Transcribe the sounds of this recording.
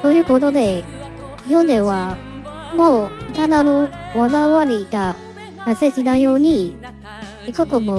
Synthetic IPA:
t̪oːjɯ̟ːkot̪od̪e | ijond̪eβa | moit̪ananoβanaβaɾʲiɡa | naseɕinajoːɲ̟i | ikɯt̪omo

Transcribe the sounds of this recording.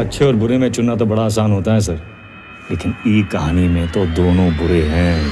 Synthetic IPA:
ɐtːʃʰeɔːɾbʊɾemẽt͡ʃʊnːat̪̬obɐɽaːs̬aːnɦoːt̪aɦɛ̃sɐɾ | leːkɪniːkɐɦaːnimẽt̪od̪oːnõbʊɾeɦɛ̃ː

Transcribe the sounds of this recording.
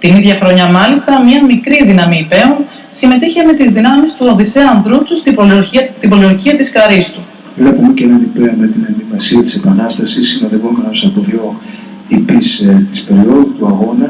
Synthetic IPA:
t̪iniðʝɐxɾo̞ɲɐmɐlist̪ɐmɲɐmikɾiðinɐmiːpe̞on | sime̞t̪içeme̞t̪izðinɐmist̪uoðiseɐɐnðɾut͡sust̪ibolioɾiɐst̪ibo̞lioɾciɐt̪iskɐɾist̪u | vlepumecenenipeɐme̞t̪inend̪imɐsiɐt̪i̥se̞pɐnɐst̪ɐsisːino̞ðe̞ɣo̞me̞nosɐbolo | ipist̪ispe̞ɾio̞ðut̪uɐɣo̞nɐs

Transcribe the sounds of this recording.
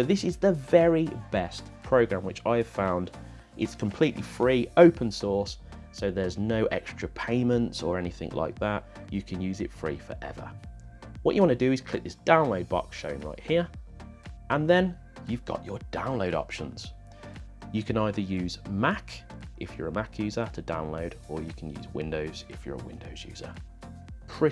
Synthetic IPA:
əʊðɪsɪzðəvɛɹibɛstpʰɹ̥əʊɡɹãmwɪt͡ʃa̰ɪəv̥fãʊ̃nd | ʔɪtskʰə̃mpʰl̥iˑʔlifɹiːəʊpʰə̃nsɔɹsː | oʊðəznəʊʔɛ̰kstɹ̥əpʰẽɪ̃mə̃ntsəɹɛnɪθɪ̰̃ŋlʔa̰ɪk̚ðaʔ | jəkʰə̃njʉːzɪtfɹḭːfə̰˞ʔɛ̰və̰ | wɒʔt͡ʃəwɒ̃nədəɪz̥kʰl̥ɪk̚ðɪsd̥ãʊ̃nloʊd̚bɒ̰kʃəʊɪ̃ŋɹa̰ɪʔhiəɹ | ʔə̃nðə̃n | jʉvɡɒ̰ʔəd̥ãʊ̃nloʊɾɒ̰pʃə̃nz̥ | jəkʰə̃naɪðəjʉːzmakʔɪfjəɹəmakʰjʉːzətʰədã̰ʊ̃nloʊɾəjəkʰə̃njʉ̰ːzwɪ̰̃ndəʊz̥ɪfjə̰ɹə̰wɪ̃ndoʊz̥jʉ̰ːzə̰ | pʰɹ̥ɪ

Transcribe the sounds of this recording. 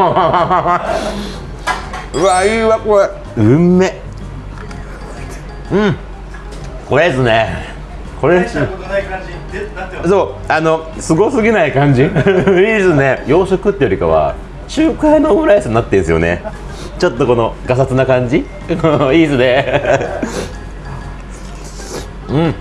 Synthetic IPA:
βaiβakoe | ɯ̟mːe̞ | ɯ̟̃ɴ | ko̞ɾesɨne | ko̞ɾe | soːano̞ | sɨɡo̞sɨɡʲinaikãɲ̟d͡ʑiiːsɨne̞jo̞ːɕokɯ̟t̪ːejo̞ɾikaβa̰ | ɕɨːkainoːmɯɾaisɨɲinat̪ːẽɰ̃sɨjo̞̰nḛ | t͡ɕo̞t̪ːoko̞no̞ɡasat͡sɨnakãɲ̟d͡ʑi | koiːsɨne̞ | ɯ̟̃

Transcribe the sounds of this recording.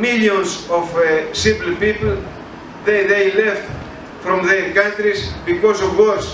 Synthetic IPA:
miljõnsofsivlpipl̩ | ðeðejleft̪ | fɾõmðeɾkãnt̪ɾisbikosovwoɾs

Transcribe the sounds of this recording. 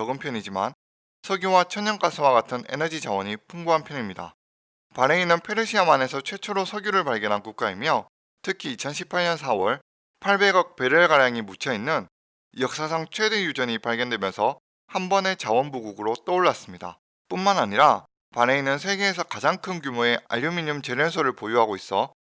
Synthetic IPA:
ʌɡɯmpʰjʌɲid͡ʑima̰n | sʰʌɡjowat͡ɕʰʌɲːʌnk͈asʰɯwaɡatʰɯne̞̰nʌd͡ʑid͡ʑawʌɲipʰuŋɡuɦanpʰjʌɲimɲida̰ | pane̞inːɯnpʰe̞ɾeɕʰiamane̞sʰʌt͡ɕʰwe̞t͡ɕʰoɾosʰʌɡjuɾɯɭpaɭɡjʌnɦankuk̚k͈aimjʌ | tʰɯkʰiːt͡ɕʰʌnɕʰi̥pʰaɭɲʌnsʰawʌɭ | pʰaɭbe̞ɡʌk̚pe̞ɾɯɭɡaɾjaŋimut͡ɕʰʌinːɯn | jʌk̚s͈asʰaŋt͡ɕʰwe̞de̞jud͡ʑʌɲipaɭɡjʌndwe̞mjʌnsʰʌ | hanbʌne̞t͡ɕawʌnbuɡuɡɯɾot͈ʌuɭːas͈ɯmɲida̰ | p͈unmanaɲiɾa | pane̞inɯns̬ʰe̞ɡeːsʰʌkad͡ʑaŋkʰɯnkjumoe̞a̰ʎjomiɲumt͡ɕe̞ɾjʌnsʰoɾɯɭpojuɦaɡois͈ʌ

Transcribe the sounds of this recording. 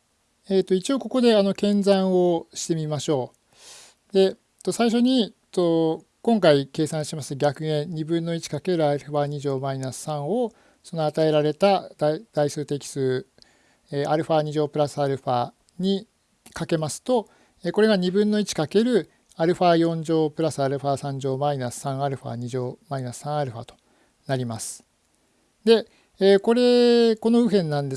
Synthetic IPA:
eːt̪ːo̞it͡ɕio̞ko̞ko̞d̪e̞ano̞kẽ̞nzãɰ̃o̞ɕi̥t̪e̞mʲimaɕo̞ː | d̪e̞ | t̪ːo̞saiɕ̬o̞ɲ̟i | t̪o̞ | kõ̞ŋkaike̞ːsãɕimasɨ̥t̪oɡʲakɯ̟ẽ̞ɲibɯ̟̃nːo̞it͡ɕi̥kake̞ɾɯ̟aɾɯ̟ɸaːɲ̟iʑo̞ːmainasɨ̥sãɰ̃o̞ | so̞no̞at̪ae̞ɾaɾe̞t̪ad̪̥aid̪̥aisɨːt̪e̞kʲi̥sɨː | eʔaɾɯ̟ɸaːɲ̟iʑo̞ːpɯ̟ɾasɨaɾɯ̟ɸaː | ɲ̟i | kake̞masɨ̥t̪o̞ | eko̞ɾe̞ɡaɲ̟ibɯ̟̃nːo̞it͡ɕi̥kake̞ɾɯ̟ | aɾɯ̟ɸaːjõ̞ɲd͡ʑo̞ːpɯ̟ɾasɨaɾɯ̟ɸaːsãɲ̟d͡ʑo̞ːmainasɨ̥sãɰ̃aɾɯ̟ɸa̰ːɲ̟iʑo̞ːmainasɨ̥sãɰ̃aɾɯ̟ɸa̰ːt̪o̥ | naɾʲimasɨ̥ | d̪e̞ː | ko̞ɾe̞ko̞no̞ɯ̟ɦẽ̞nːãnd̪e̞

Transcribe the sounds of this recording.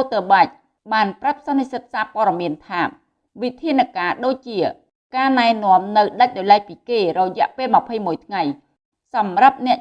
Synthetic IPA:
ot̪əɓac̚ | ɓaːnprap̚sɑnːisət̪̚saːpoəɗɑmiənt̪ʰaː | ʋit̪ʰiənɨkaːɗoːc̚t͡ɕiə | kaːnaɛnŏəmnɨwɗəc̚ɗajlaɛc̚piːkeːrɔjɛ̆əʔpeːlmə̆pʰəjmuəjt̪ʰŋaj | sɑmrap̚nɛ̆əʔ

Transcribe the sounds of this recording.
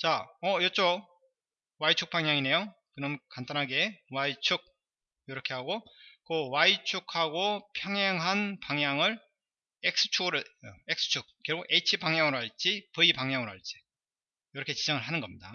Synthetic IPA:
t͡ɕaʌjʌt͡ɕ͈o | wait͡ɕʰuk̚p͈aŋjaŋine̞jokɯɾʌmkantʰanɦaɡe̞wait͡ɕʰuk̚ | iɾʌkʰe̞ɦaɡok͈owait͡ɕʰukʰhaɡopʰjʌŋɦeŋɦanpaŋjaŋɯɭ | ek̚s͈ɯ̥t͡ɕʰuɡɾɯeks͈ʰɯ̥t͡ɕʰuk̚k͈ːeɾɡoʔet͡ɕʰibaŋjaŋɯɾoɦaɭt͡ɕ͈ipɯipaŋɲaŋɯɾoɦaɭt͡ɕ͈i̥ | jʌɾʌkʰet͡ɕid͡ʑʌŋɯɭɦanɯnɡʌmɲida

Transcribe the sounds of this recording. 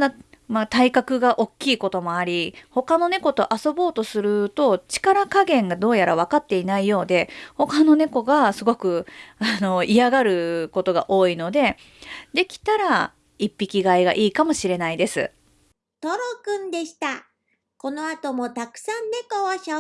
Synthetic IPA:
d̪amat̪aikakɯ̟ɡaʔo̞kʲːiːko̞t̪o̞mo̞aɾʲiho̞kano̞ne̞ko̞t̪o̞ʔaso̞bo̞ːt̪o̞sɨɾɯ̟t̪o̞t͡ɕi̥kaɾakaɡẽ̞ŋɡad̪o̞ːjaɾaβ̞akat̪ːe̞inaijo̞ːd̪e̞ho̞kano̞ne̞ko̞ɡasɨɡo̞kɯ̟ano̞iaɡaɾɯ̟ko̞t̪o̞ɡa̰ʔo̞ːino̞d̪e̞ | d̪e̞kʲi̥t̪aɾa | ipʲːikʲiɡaiɡa̰ʔiːkamo̞ɕiɾe̞naid̪e̞sɨ̰ | t̪oɾokɯ̟̃nd̪e̞ɕi̥t̪a | ko̞no̞at̪o̞mo̞t̪akɯ̟̥sãnːe̞koβaɕa

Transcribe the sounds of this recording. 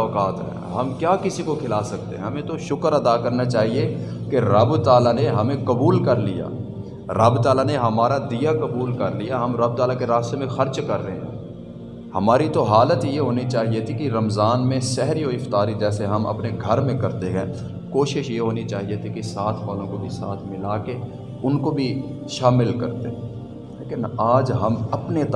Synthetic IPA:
kaːt̪ɦɛ̰ːɦɐmkjaːkɪsikokʰɪlaːsɐk̚t̪ḛɦɛ̃ɦɐmẽt̪oʃʊkəɾɐd̪akɐɾnat͡ʃaːɦie | keɾɐbt̪aːlaneɦɐmẽkɐbuːlkɐɾlija̰ː | ɾɐbt̪aːlaneɦɐmaːɾad̪ijakɐbuːlkɐɾlijaɦɐmɾɐb̚t̪aːlakeɾaːst̪emẽxɐɾt͡ʃkɐɾːɐɦḛ̃ɦɛ̰̃ː | hɐmaːɾit̪oɦaːlət̪jeɦoːnit͡ʃaːɦiet̪ʰikiɾɐmzaːnmẽsɛɦɾiɦoɪft̪aːɾid͡ʒɛːseɦɐmɐ̰pneɡʱɐɾmẽkɐɾt̪eɦɛ̃ː | koːʃɪʃjeɦoːnit͡ʃaːɦiet̪ʰikisaːt̪ʰbaːlõkobʱisaːt̪ʰmɪlaːke | ʊnkobʱi | ʃaːmɪlkɐɾt̪eɦ | leːkɪnaːd͡ʒɦɐmɐpnet̪

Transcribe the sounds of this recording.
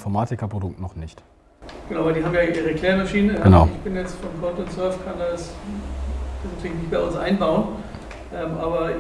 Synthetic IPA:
fɔɐmaːtɪkɐpʁ̥odʊk̚tnɔχnɪçt | ɡ̥ənaʊvaɪldiːɦabmjaːʔiːʁəkl̥eːɐmaʃiːnəɡ̥əna̰ʊɪçb̥ɪnjɛt͡stfɔnkʰɔntʊntsœɐftkʰandas | b̥ɛsnt̪ʰːɪlçnɪçt̚b̥aɪʊnsʔaɪnbaʊən | ʔɛmʔaːbɐ

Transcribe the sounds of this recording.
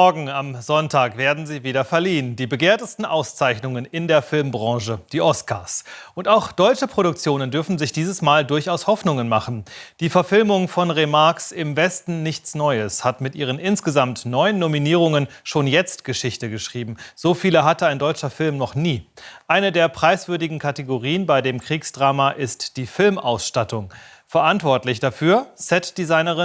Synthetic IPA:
mɔɐɡŋ̩amzɔntʰaːkv̥eːɐdn̩ziːviːdɐfɛɐliːəndiːbəɡeːɐtəstn̩ʔaʊst͡saɪçnʊŋənɪndeːɐfɪlmbʁɑ̃ŋʃəd̥iːʔɔska̰ːɐsʔʊntaʊxd̥ɔʏt͡ʃəpʁ̥oɾʊk̚t͡sjoːnəndʏɐfn̩zɪçd̥iːzəsmaːldʊɐçaʊshɔfnʊŋənmaχn̩d̥iːfɛɐfɪlmʊŋfɔnʁemaɐksɪmvɛstn̩nɪçt͡snɔʏəshatmɪtʔiːʁ̞ənʔɪnsɡ̥əzamtnɔʏənːominiːʁ̞ʊŋənʃoːnjɛt͡stɡ̥əʃɪçtəɡəʃʁ̥iːbm̩z̥oːfiːləɦatəaɪndɔʏt͡ʃɐfɪlmnɔχniːʔaɪnədeːɐpʁ̥aɪsv̥ʏɐdɪɡŋ̩kʰateɡoʁiːənbaɪdeːmkʁ̥iːksd̥ʁaːmaʔɪstd̥iːfɪlmʔa̰ʊsʃtatʊŋ | fɛɐʔantv̥ɔɐtlɪçd̥afyːɐsɛtd̥izaɪnəʁɪ

